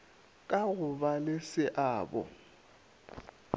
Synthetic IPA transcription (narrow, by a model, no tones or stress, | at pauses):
kʼaɣʊbalɪsɪʔaːbɔ̰